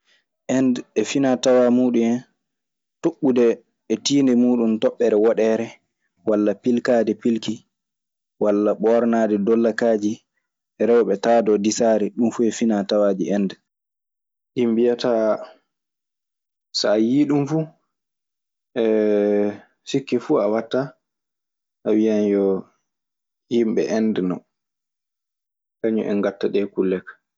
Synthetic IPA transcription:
ʔɛndɛfinatawamuːɗumɛn | toɓːudɛː | tiːndɛmuːɗuntɔɓːɛɾɛwɔɗɛɾɛ | walːapilkaːdɛpilki | walːaɓɔːɾnadɛdɔlːakaːd͡ʒi | ɛɾɛwɓɛtaːdɔdisaːɾɛɗumfuɛfinatawaːd͡ʒḭɛnd | ɗimbijata | sajiɗumfu | ʔɛ | sikːɛfuawatːa | ʔawijanjɔ | jimɓɛ̰ʔɛndɛnɔ | kaɲɔ̰ʔɛ̰ŋɡatːaɗɛkulːɛkḁ

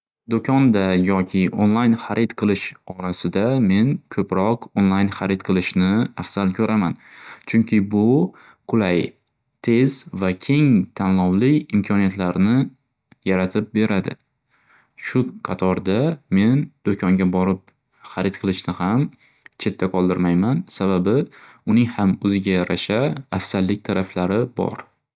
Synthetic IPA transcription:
d̪okʲʰɒnd̪ajɒkʲʰɪʔo̰nlˠajnχaɾʔɪt̪qʰɨlˠɪʃɒɾasɪd̪ame̞nkʰɵpɾɒqonlˠajnχaɾɪt̪qʰɨlˠɪʃnɪafsalkʲʰɵɾʔamant͡ʃʰʊŋkʲʰɪbʊ | qʰʊlaj | t̪ʰe̞z̥vakʲʰe̞ŋt̪ʰanlɒwlɪɪmkʲʰɒnijat̪laɾnɪ | jaɾat̪ʰɪp̚be̞ɾad̪ɪ̰ | ʃʊqʰɑt̪ʰɒɾd̪ame̞nd̪̥okʰɒŋɡʲabɒɾɪp̚ | χɑɾɪt̪qʰɨlˠɪʃnɪham | t͡ʃʰe̞t̪ʰːaqʰɒlˠd̪ɪɾmajmansababɪ | ʊnɪŋhamɵzɪɡʲajaɾʔaʃaːfsallːɪk̚ʲt̪ʰaɾaflaɾɪbɒ̰ɾ

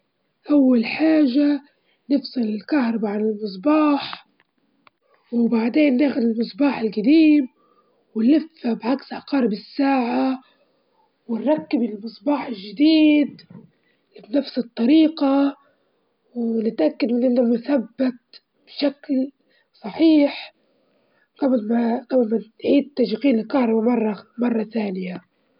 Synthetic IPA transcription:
ʔawːalħaːʒa | nɪfsˤɨlɪlkahɾˤɑbaʕanɪlmɨs̬ˤbɑːħ | wɪbaʕd̪eːnːaxʊd̪ɪlmɨsˤbɑːħɪlɡad̪iːm | wɪnːɪfːabʕaksʔɑqɑːɾˤbɪsːaːʕa | wɪnɾˤɑkːɪbɪlmɨsˤbɑːħɪlʒɪd̪iːd̪ | lɪbnafsɨt̪ˤːɑɾiːqɑ | wnɪt̪ʔakːad̪mɪnʔɪnːamʊθabːat̪ | b̥ʃakl | sˤɑħiːħ | ɡablmaqablmaʕiːd̪̚t̪ːaʃqiːnɪlkɑːɾˤɑbamɑrˤːɑmɑrˤːɑθaːnɪja

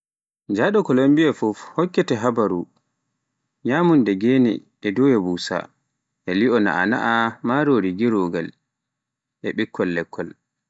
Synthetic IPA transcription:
d͡ʒaɗɔkɔlambiɛfufhɔkːɛtɛɦabaɾu | ɲaːmundɛɡɛnɛ̰ | ɛdɔwɛbuːsa̰ | ʔɛliɔna̰ʔana̰ʔamaɾoːɾiɡiɾoɡal | ʔɛɓikʰːɔlːɛkʰːɔl

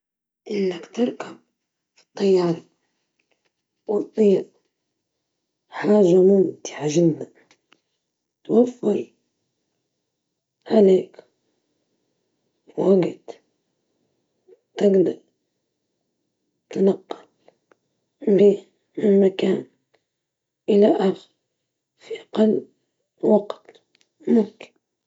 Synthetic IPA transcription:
ʔɪnːakt̪ɪɾˤkab̚ | fi̥t̪ˤːɑjːɑːɾˤɑ | wɑt̪ˤːɨjaʔ | ħaːʒamʊmt̪ɪ̥ħaʒɪd̪ːan | t̪wafːɑɾ | ʕaleːk | waɡɪt̪ | t̪ɪɡd̪aɾ | t̪anɑqːɑ̥l | biː | mɪnmakaːn | ʔɪlaʔaxɾ | fiʔɑqalː | wɑqt̪ | mʊmkɪ̥n

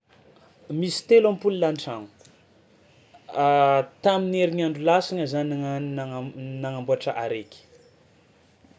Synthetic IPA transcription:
misi̥t̪elampululanʈ͡ʂanu̥ | t̪amineɾiɲaɳɖ͡ʐulasaɲəzan | naŋambuaʈ͡ʂəʔaɾekʲi̥

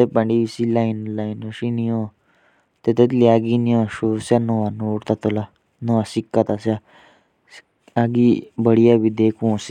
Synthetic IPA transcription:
t̪epaɳɖiʋisilajinlainəɕinijɔ̃ | t̪et̪et̪liaɡiniãʂosanɔʋanoɽt̪at̪ɔla | nɔʋasikːat̪asja | aɡibəɽijabid̪ekũsi̥

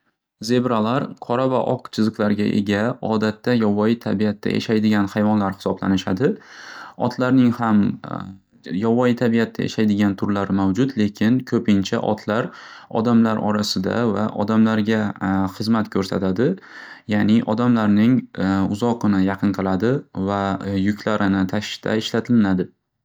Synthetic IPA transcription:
ze̞bɾalaɾqʰɒɾavaʔɒqt͡ʃʰɨzɨqlˠaɾɡʲa̰ʔe̞̰ɡʲaɒd̪at̪ʰːajɒvɒjɪt̪ʰabiat̪ʰːa̰jʔa̰ʃajd̪ɪɡʲanhajvɒnlaɾhɪ̥sɒbla̰nɪʃad̪ɪ | ɒt̪ʰlaɾnɪŋham | jɒvɒjɪt̪ʰabiat̪ʰːajḛʃajd̪ɪɡʲant̪ʰʊɾlaɾmawd͡ʒʊt̪le̞kʲʰɪnkʰɵpʰɪnt͡ʃʰa̰ʔɒ̰t̪ʰlaɾɒ̰d̪amlaɾɒ̰ɾasɪd̪a̰va̰ʔɒ̰d̪amlaɾɡʲaχɨzmat̪kʲʰɵɾsa̰t̪ʰad̪ɪ | janɪʔɒd̪amlaɾnɪŋʊzɒqɨnɪjɑqʰɨnqʰɨlˠad̪ɪvajʊkʲʰlaɾɪnɪt̪ʰaʃt̪ʰa̰ɪʃlat̪ʰɪlɪnad̪ɪ

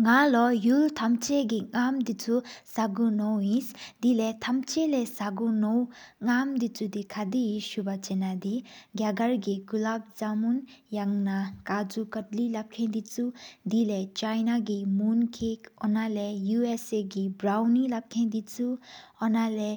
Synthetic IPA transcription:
ŋalɔjult̪ʰamt͡ʃeɡiŋamd̪it͡sʰusaɡunɔwĩsd̪ilet̪ʰamt͡ʃelesaɡunɔwŋamd̪it͡sʰud̪ikʰad̪iiʃubat͡ʃenad̪iɡjaɡaɾɡiɡulab̚d͡ʒamunjaŋnakad͡zukətlilap̚kʰẽd̪it͡sud̪ilet͡ʃajnaɡimunkʰekɔnalejueseɡibɾawnilap̚kʰẽd̪it͡suɔnale

